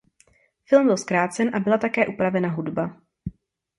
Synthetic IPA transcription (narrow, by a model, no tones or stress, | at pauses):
fɪlmbɪlskɾaːt͡sɛnʔabɪlat̪akɛːʔupɾavɛnaɦudba